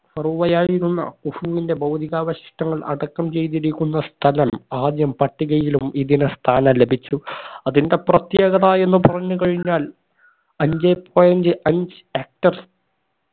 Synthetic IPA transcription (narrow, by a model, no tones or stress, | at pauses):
fɐruʋɐjaːɻiɾunːɐ̰kufuʋinde̞bɐwd̪ʱiɣaːʋɐɕi̥ʂʈɐŋːɐɭʔɐ̰ɽɐkːɐmt͡ɕe̞jt̪̬iɾikʲːunːɐst̪ʰɐlɐmaːd̪jɐmpɐʈːiɣɐjilumiðinest̪ʰaːnɐlebʱit͡ɕːuɐðinde̞prɐt̪jeːɡɐðaːe̞nːupɐrɐɲːukɐɻiɲːaːl | ɐɲd͡ʑepoːjɐnd͡ʑɨʔɐɲd͡ʑɨeːk̚ʈɐr